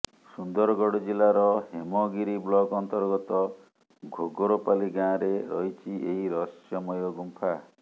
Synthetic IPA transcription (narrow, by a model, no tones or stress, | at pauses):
sund̪ɔɾɔɡɔɽɔd͡ʒilaɾɔhemɔɡiɾiblɔɡɔnt̪ɔɾɡɔt̪ɔ | ɡʱoɡoɾopaliɡãɾeɾɔɦit͡ʃʰiʔeɦiɾɔsjɔmɔjɔɡumpʰa